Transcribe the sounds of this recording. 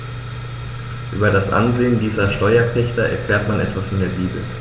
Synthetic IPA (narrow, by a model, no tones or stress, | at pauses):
ʔy̰ːbɐdasʔa̰nzeːəndiːzɐʃtɔʏɐpʰɛçtɐʔɛ̰ɐfl̥ɛːɐtmanʔɛ̰tv̥asfɔndeːɐbiːbl̩